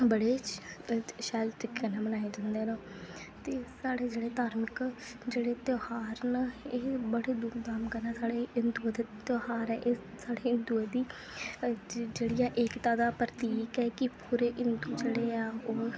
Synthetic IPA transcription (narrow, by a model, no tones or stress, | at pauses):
bəɽeː | ʃaːlʈ̪ɪkːenɛ̃ːbənaːed͡ʒãnd̪eːnãː | t̪eːsaːɽeːd͡ʒeːɽeːt̪aːɾmɪkd͡ʒeːɽeːt̪joːhaːɾneːbəɽeːd̪uːkd̪aːmkəɾɛːsaːɽeːɪnd̪uːd̪et̪joːɦaːɾɛːʔeː | saːɽeːɪnd̪uːɛd̪iː | d͡ʒeːɽijaːʔekt̪aːd̪aːpɾət̪iːkɛːkɪpuːɾeːʔɪnd̪uːd͡ʒeːɽeːaːoː